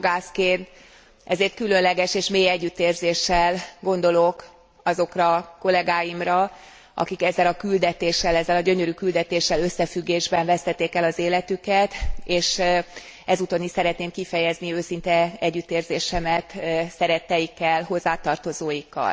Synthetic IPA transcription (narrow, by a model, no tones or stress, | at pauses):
ɡaːskeːnt̪ | ʔɛzeːrt̪̚kylø̞nlɛɡɛʃeːʃmeːjɛɟːyt̪eːrzeːʃːɛlɡo̞n̪d̪o̞lo̞k | ɒzo̞krɒko̞lɛɡaːjimrɒ | ʔɒ̰kikɛzːɛlɒkyld̪ɛt̪eːʃːɛlɛzːɛlɒɟø̞ɲø̞ɾykyld̪ɛt̪eːʃːɛlø̞sːɛfyɡːeːʒbɛɱvɛst̪ɛt̪ːeːkɛlɒzeːlɛt̪ykɛt̪eːʃ | ɛzuːt̪oniʃsɛɾɛt̪neːmkifɛjɛzniøːsint̪ɛɛɟːyt̪eːrzeːʃɛmɛt̪sɛɾɛt̪ːɛjikːɛlɦo̞zːaːt̪ɒrt̪o̞zoːjikːɒ̰l